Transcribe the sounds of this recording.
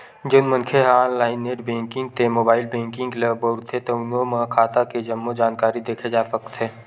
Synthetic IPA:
d͡ʒonmə̃nkʰeɦaːnlaːɪneːʈbẽːŋkɪ̃ŋɡt̪emoːbaːɪlbẽːŋkɪ̃ŋɡləbɔɾt̪ʰet̪oʊnõmãkʰaːt̪aked͡ʒɐmːod͡ʒaːnkaːɾid̪eːkʰed͡ʒaːsəkt̪ɦɛː

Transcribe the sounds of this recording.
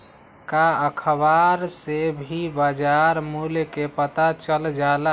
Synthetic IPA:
kaəkʰəbaɾsebʱibad͡ʒaɾmulekepət̪at͡ʃəld͡ʒalə

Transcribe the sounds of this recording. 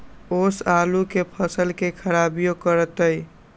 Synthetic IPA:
oːsaːlukepʰəsəlkekʰəɾabijokəɾət̪əj

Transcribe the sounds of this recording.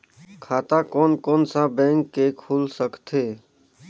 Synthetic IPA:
kʰaːt̪akɔːnkɔːnsabɛ̃ːŋkːekʰuːlsəkt̪ʰeː

